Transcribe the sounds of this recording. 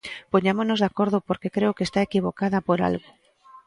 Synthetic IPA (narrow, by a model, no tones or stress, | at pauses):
poɲamoznozðakoɾð̞ʊpoɾkekɾeokest̪aekiβ̞okaðɐpoɾa̰lɣʊ